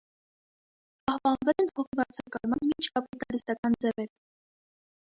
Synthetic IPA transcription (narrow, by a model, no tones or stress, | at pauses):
ɑhpɑnvɛlɛnhɔʁibɑɾt͡sʰɑkɑɾmɑnmint͡ʃʰkɑpit̪ɑɾit̪ɑkɑnd͡zɛvɛɾ